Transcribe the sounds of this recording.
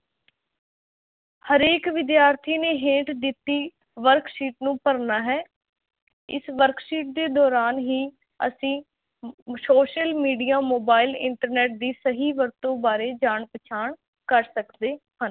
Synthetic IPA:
həɾeːkʋɪd̪jaːɾt̪ʰiːneːɦẽːʈd̪ɪt̪ːiː | ʋəɾksiːʈnũːpəɾnaːɦɛː | ɪ̰sʋəɾksiːʈ̚d̪eːd̪ɔːɾaːnɦiː | ə̰sĩː | soːʃəlmiːɖijaːmoːbaːɪlɪ̰ɳʈəɾnɛːʈ̚d̪iːsəɦiːʋəɾt̪õːbaːɾeːd͡ʒaːɳpət͡ʃʰaːɳ | kəɾsəkd̪eː | hən

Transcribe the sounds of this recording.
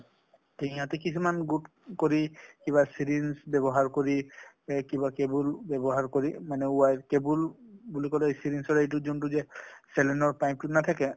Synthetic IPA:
teɦĩɦatɛkisumanɡud | koɹikiβasiɹinsbɛbɔɦaɹkoɹi | kibakebulbɛbɔɦaɹkoɹimanɛuwajkebulbulikɔlɛejsiɾinsɔɹejt̬uzuntuzɛsɛlɛnɔɹpaj̃m̚tunat̪ʰakɛ

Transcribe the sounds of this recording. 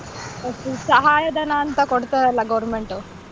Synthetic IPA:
ɐsusɐɦaːjɐd̪ɐnaːnt̪ɐkoɽt̪aɐlːɐɡɐʋɾmeɳʈu

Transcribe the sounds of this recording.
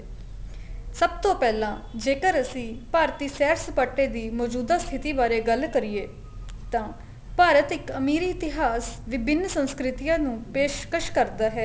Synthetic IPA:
səb̚t̪õːpɛːlãː | d͡ʒeːkəɾəsĩːpaːɾt̪iːsɛːɾspəʈːeːd̪iːmɔːd͡ʒuːd̪aːst̪ʰɪt̪iːbaːɾeːɡəlkəɾijeː | t̪ãː | paːɾət̪ɪkəmiːɾiːɪt̪ɪɦaːsʋɪbʱɪnːsə̃nskɾɪt̪ɪjãːnũːpeːʃkəʃkəɾd̪aːɦɛː

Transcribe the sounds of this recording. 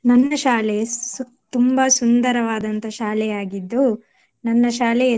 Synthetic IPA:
nɐnːɐʃaːle | t̪umbɐsund̪ɐɾɐʋaːd̪ɐnt̪ɐʃaːlɛjaːɡid̪ːu | nɐnːɐʃaːlɛ

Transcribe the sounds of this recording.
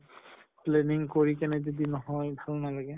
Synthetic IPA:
pleniŋkoɹikɛned͡ʒod̪inɔɦɔjbʱalɔnalaɡe

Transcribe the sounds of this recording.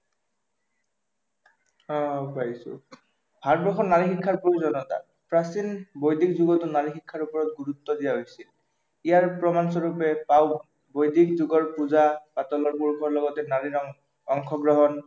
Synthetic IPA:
ɔ̃pajisʊ̰ | bʱaɹbɹɔxɔnnaɹixikʰːaɹpoizɔnɔta̰ | pɹasinbojdikzuɡɔtʊnaɹixikʰːaɹupɔɹɔt̚ɡuɹutːɔdijaɦojsil | ijaɹpɹɔmansɔɹupɛpaw | bojdikzuɡɔɹpuzabatɔlɔɹpuɹkʰɔɹlɔɡɔtɛnaɹi | ɔŋkʰɔɡɹɔɦɔn

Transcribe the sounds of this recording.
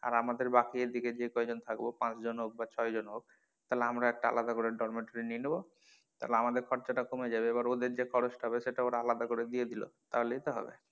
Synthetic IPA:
a̰ɾamad̪eɾbakieɾd̪iked͡ʑekɔed͡ʑont̪ʰakbopãt͡ɕd͡ʑonɦok̚bat͡ɕʰɔed͡ʑonɦok̚ | t̪aɦleamɾaɛk̚ʈaa̰lad̪akoɾeɖɔɾmeʈoɾininebo | t̪aɦleamad̪eɾkʰɔɾt͡ɕaʈakomed͡ʑabeebaɾod̪eɾd͡ʑekʰɔɾosʈaɦɔbeʃeʈaoɾaalad̪akoɾed̪ied̪ilo̰t̪a̰ɦoleit̪oɦɔ̰bḛ

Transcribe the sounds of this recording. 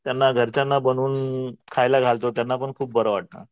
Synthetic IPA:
t̪janːaɡʱəɾt͡ɕjanːabənuːnkʰajlaɡʱalt̪ot̪janːapəɳkʰuːp̚bəɾəʋaʈ̚na̰

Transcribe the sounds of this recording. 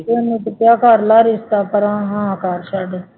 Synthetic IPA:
enĩːt̪ətjaːkaɾlaːɾɪst̪aːpəɾãːɦãːkaɾʃaːɽeː

